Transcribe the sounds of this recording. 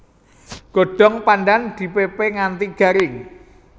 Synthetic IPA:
ɡ̥o̤ɖ̥ɔ̤ŋpanɖand̪̥i̤pepeŋant̪iɡ̥a̤ɾɪŋ

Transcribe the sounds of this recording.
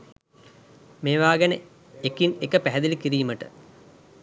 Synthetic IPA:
meːʋaːɡenə | ekinekəpæɦɛd̪ilikiɾiːməʈə̰

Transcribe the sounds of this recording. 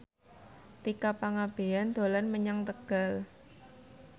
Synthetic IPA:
t̪ikapaŋab̥e̤and̪̥o̤lanməɲaŋt̪əɡ̥a̤l

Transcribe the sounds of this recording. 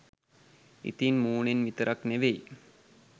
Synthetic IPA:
ḭt̪inmuːɳenʋit̪əɾʔakneʋej

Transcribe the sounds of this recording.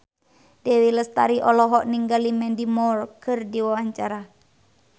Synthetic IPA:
d̥ɛwiləst̪aɾiʔɔlɔɦɔʔniŋɡalimɛndimɔrkʰɨrdiwawaɲt͡ʃaɾa

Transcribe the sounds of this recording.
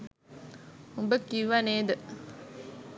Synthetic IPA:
umbəkːiʋːaneːd̪ə

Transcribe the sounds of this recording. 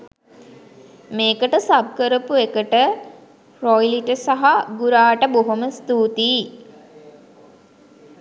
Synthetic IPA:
meːkəʈəsab̚kəɾəpuekəʈə | rojliʈəsaɦaɡuɾaːʈəboɦoməst̪uːt̪iː

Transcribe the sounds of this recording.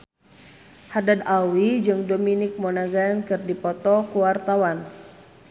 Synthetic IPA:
hadadawid͡ʒɨŋdominɪk̚monaɡankɨrdipɔt̪ɔkuwart̪awan

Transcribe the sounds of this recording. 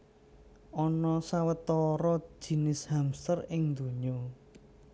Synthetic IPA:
ʔɔnɔsawət̪ɔɾɔ̥d͡ʒ̥i̤nɪshamst̪ərɪŋnd̪ṳɲo

